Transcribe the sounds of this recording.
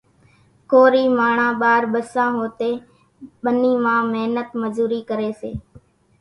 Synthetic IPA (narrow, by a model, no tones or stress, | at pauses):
koːɾiːmaːɳãːɓaːɾɓəsãːɦoːt̪eː | ɓəniːmãːmeɦnət̪məd͡ʒuːɾiːkəɾeːsḛː